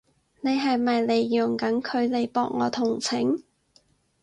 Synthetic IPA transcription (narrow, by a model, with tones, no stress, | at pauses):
ne˨˧jɦɐ˨jmɐ˨jle˨˧jjʊ˨˩ŋkɐ˨˥nkʰɵ˨˧ɥle˨˧jpɔː˧k̚ŋɔː˨˧t̪ʰʊ˨˩ŋt͡sʰɪ˨˥ŋ